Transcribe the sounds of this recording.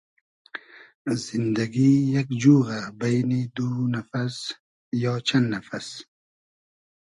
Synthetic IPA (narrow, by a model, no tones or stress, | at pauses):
zɪnd̪aɡijakd͡ʒuːɣabajnid̪unafas | jɑːt͡ʃʰand̪nafas